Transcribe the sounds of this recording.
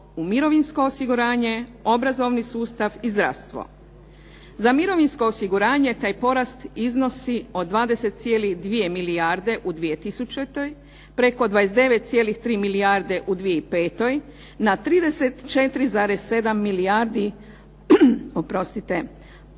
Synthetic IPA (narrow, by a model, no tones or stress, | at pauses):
umiɾo̞ʋinsko̞ːsiɡuɾaːɲe̞o̞bɾazo̞ʋnisuːst̪aʋizd̪ɾa̰ʋst̪ʋo̞̰ | zamiɾo̞ʋinsko̞ːsiɡuɾaːɲe̞t̪aːjpo̞ɾast̪izno̞sio̞d̪ʋaːd̪e̞se̞t̪̚t̪sje̞ːlixd̪ʋije̞miliaɾd̪e̞ʔud̪ʋije̞t̪isut͡ʃet̪o̞j | pɾe̞ko̞d̪ʋaesd̪e̞ʋet̪̚t̪sje̞ːlixt̪ɾiːmiliaɾd̪e̞ʔud̪ʋije̞ipe̞ːt̪o̞j | nat̪ɾiːd̪e̞set̪t͡ʃe̞t̪ɾizaːɾesːe̞d̪amːiliaɾd̪i | opɾo̞st̪it̪e